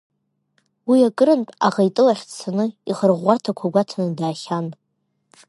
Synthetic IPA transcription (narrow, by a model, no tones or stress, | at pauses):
wiakʼɨɾɨnpʼaʁajtʼɨlaχʲt͡sʰanɨiχərʁʷːartʰakʷʰaɡʷatʰanɨdaːχʲan